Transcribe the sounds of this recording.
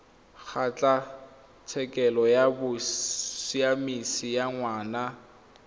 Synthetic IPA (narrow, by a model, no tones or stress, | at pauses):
k͡xʰat͡ɬʼa | t͡sʰɛkʼɛlɔjabʊsiamisijaŋwaːna